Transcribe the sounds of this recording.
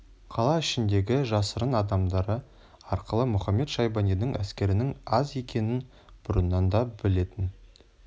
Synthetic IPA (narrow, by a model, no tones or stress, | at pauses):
qʰɑlˠɑɪʃɪnd̪e̞ɡʲɪʒɑsəɾənɑd̪ɑmd̪ɑɾə | ɑɾqəlˠəmʊχɑmːe̞t̪ʃɑjbɑnijnɪŋʔæ̰skʲe̞ɾɪnɪŋɑze̞kʲʰe̞nɪn | b̥ʊɾənːɑnd̪ɑbɪle̞t̪ɪn